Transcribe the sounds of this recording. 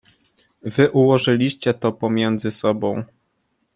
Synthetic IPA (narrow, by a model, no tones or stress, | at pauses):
vɘʔuwɔʐɘlʲiɕt͡ɕɛt̪ɔpɔmʲjɛnd̪zɘsɔbɔ̃w̃